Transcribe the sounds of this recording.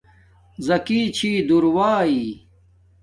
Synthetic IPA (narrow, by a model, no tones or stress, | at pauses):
zɐkiːt͡ɕʰiːd̪uɾwaːiː